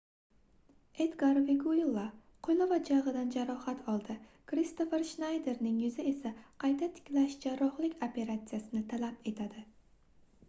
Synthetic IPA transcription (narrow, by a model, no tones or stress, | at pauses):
ed̪ɡaɾviɡuilˠːa | qʰojnovad͡ʒaʁɨd̪and͡ʒaɾɒhat̪ʰɒlˠd̪ɪkɾist̪ofeɾʃnajd̪e̞ɾnɪŋjʊzɪe̞saqʰɑjt̪ʰat̪ʰɪ̥kʲlaʃd͡ʒaɾɒχlˠɪkʲopʰe̞ɾat̪sijasɪnɪt̪ʰalape̞t̪ʰad̪ɪ